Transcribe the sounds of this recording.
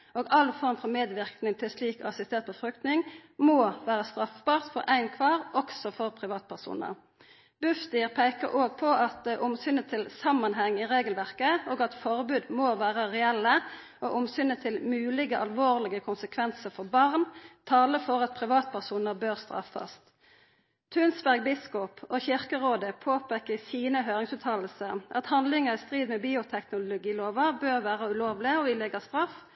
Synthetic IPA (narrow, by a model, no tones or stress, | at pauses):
oːɡɑlfɔʁmfɔmeːd̪ʋɪʁknɪŋt̪ʰɪlsliːkɔɑsɪst̪eːʁt̪̚pʰɔfʁʏk̚t̪nɪŋmoːʋæːʁəst̪ʁɑfbɑːʁt̪fɔɾæɪnkʰʋɑːʁʔɔksɔfɔʁpʰʁɪʋɑːt̪̚pʰæʁsṵːnə̰ʁ | b̥ʉfst̪ɪːʁpʰæɪkə̰ɾʔoːɡ̚pʰɔʔɑt̪ʔʊmsʏnət̪ʰɪlsɑmːɑnɦɛŋːɪʁeːɡəlʋæʁkəoːɡɑt̪fɔʁbʉːd̪moːʋæːʁəʁɛɛlːə | ʔoːʔʊmsʏnət̪ʰɪlmʉːlɪɡəʔɑlʋoːʁlɪɡəkʰʊnsəkʰʋɛnsəʁfɔbɑʁnt̪ʰɑːləfɔʁɑt̪̚pʰʁɪʋɑːt̪̚pʰæʁsuːnəʁbøːʁst̪ʁɑ̰fɑ̰st̪ | t̪ʰʉːnsbæʁɡ̚bɪskʊpʰoːçɪʁkəʁoːd̪əpʰoːpʰeːkəsiːnəɦøːʁɪŋsʉːt̪ʰɑːll̩səʁʔɑ̰t̪hɑnd̪lɪŋəʁɪst̪ʁiːd̪mɛbiːʊt̪ʰɛknʊlʊɡiːloːʋɑbøːʁʋæːʁəʉloːʋlɪəɔɪlɛɡɑst̪ʁɑf